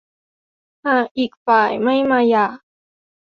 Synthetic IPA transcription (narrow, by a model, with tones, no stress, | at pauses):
ha˧˩ʔi˨k̚pa˨˩jma˥jma˧ja˧˩